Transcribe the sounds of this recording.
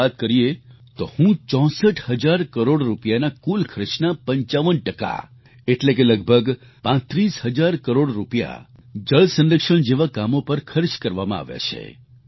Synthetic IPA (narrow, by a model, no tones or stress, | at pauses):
at̪̚kəɾie | t̪ohũt͡ʃɔ̃səʈhəd͡ʒaɾkəɾoɽɾupjanakulkʰɾɪʃnapə̃ɲt͡ʃaʋənʈəka̰ | eʈlek̬eləɡ̚bʱəɡ | pãt̪ɾishəd͡ʒaɾkəɾoɽɾupja̰ | d͡ʒəɭsəndɾəkʃəɳd͡ʒeʋakamopəɾkʰəɾt͡ʃkəɾʋamãa̰ʋja̰t͡ʃʰḛ